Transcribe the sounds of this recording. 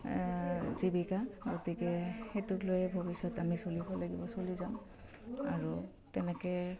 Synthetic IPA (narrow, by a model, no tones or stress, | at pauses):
zibikaɡotikɛxetuklojɛbʱobisɔtamisolibɔlaɡibɔsolizaʊ̃ | a̰ɹu | tɛnɛkɛ